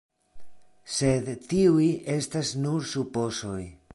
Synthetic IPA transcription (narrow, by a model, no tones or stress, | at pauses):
se̞d̪tiujʔe̞stasnuɾsupo̞so̞̰j